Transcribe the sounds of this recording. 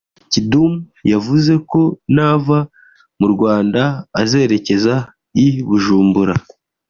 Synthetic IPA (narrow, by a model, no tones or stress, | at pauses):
cidumjavuze̞ko̞naːva | muɾɡwaːndaːze̞ːɾe̞ce̞za | iβuʒuːmbuɾa